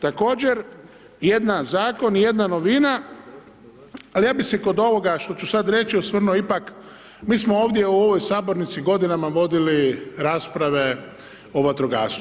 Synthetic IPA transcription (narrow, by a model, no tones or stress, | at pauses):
t̪ako̞ːd͡ʑeɾ | je̞d̪nazaːko̞nje̞d̪nano̞ʋina | alijaːbiseko̞d̪o̞ʋo̞ɡaʃt̪ot͡ʃusad̪ɾe̞t͡ʃiosmr̩noipak | miːsmooːʋd̪jeuo̞ʋo̞jsaːbo̞ɾnit̪siɡo̞d̪inamaʋo̞d̪iliɾaːspɾaʋe̞ | oʋat̪ɾoɡa̰ːst̪